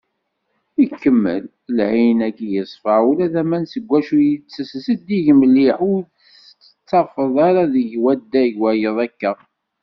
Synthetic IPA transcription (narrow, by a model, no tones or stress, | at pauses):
ikːəmːə̰l | lʕinækːijəsˤfəʕulæðæmænsəɡʷːæʃujit͡sːəssəd̪iʝəməlːiħu | əə̥t͡sːɑfəðˤɑɾɑðəʝwæd̪ːæʝwæjəðˤækːə